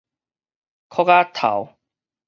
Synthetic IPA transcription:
kʰɔ˦ka˦t̪ʰa̰˨˦w

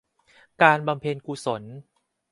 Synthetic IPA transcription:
kaː˧nba˧mpʰeː˧nkuː˧so˩˦n

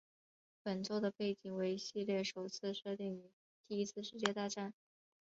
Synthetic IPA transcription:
pə˨˩nt͡so˥˩ʊd̪ə˩pe˥˩ɪt͡ɕi˨˩ŋwe˧˥ɪ˧ɕi˥˧ljɛ˥˩ʂo˨˩ʊt͡sʰɹ̩˥˧ʂɤ˥˧t̪i˥˩ŋy˧˥ | t̪i˥˩i˥t͡sʰɹ̩˥˧ʂɻ̩˥˧t͡ɕjɛ˥˧t̪a˥˧ʈ͡ʂa˥˩n

